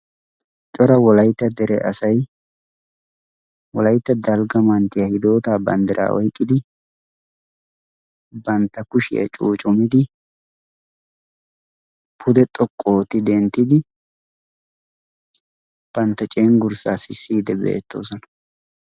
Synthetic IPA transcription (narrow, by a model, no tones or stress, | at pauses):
t͡ʃʼɔɾɐwɔlɐjt̪ːɐd̪ɛɾɛʔɐsɐj | wɔlɐjt̪ːɐd̪ɐlɡɐmɐnt̪ɪjɐhɪd̪o̞ːt̪aːbɐ̰nd̪ɪɾʔa̰ːʔɔjkʼːɪd̪ɪ | bɐnt̪ːɐkʊʃɪ̰jɐ̰t͡ʃʼuːt͡ʃʼʊmɪd̪ɪ | pʰʊd̪ɛt̪ʼɔkʼːo̞ːt̪ːɪd̪ɛnt̪ːɪd̪ɪ | b̥ɐnt̪ːɐt͡ʃʼeːŋɡʊɾsaːsɪsːiːd̪ɛbḛːt̪ːo̞̰ːsɔnɐ